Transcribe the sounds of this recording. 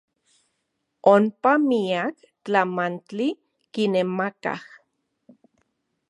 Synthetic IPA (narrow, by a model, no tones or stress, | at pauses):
ompamiak | t͡ɬamant͡ɬi | kinemaka̰h